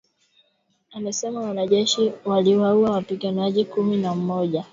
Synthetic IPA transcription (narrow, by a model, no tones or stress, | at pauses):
amɛsɛmawanaʄɛʃiwaliwauawapiɡanaʄikuminam̩mɔʄa